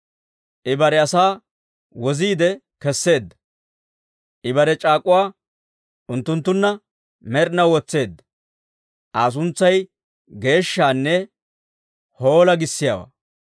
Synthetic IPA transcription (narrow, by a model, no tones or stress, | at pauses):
ʔɪbɐɾɛɐsaː | wɔziːd̪ɛ | kɛsːe̞ːd̪ːɐ̥ | ʔɪbɐɾɛt͡ʃʼaːkʼʊwaː | ʊnt̪ːʊnt̪ːʊnːɐ | mɛɾnɐwɔt͡sːe̞ːd̪ːɐ | ʔaːs̬ʊnt͡sːɐj | ɡe̞ːʃːaːnːɛ | ho̞ːlɐɡɪsːɪja̰wa̰ː